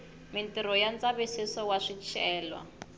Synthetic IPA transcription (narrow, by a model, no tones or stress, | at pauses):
mintiɾɔjand͡zaβisisɔwaʂit͡ʃʰɛːlwa̰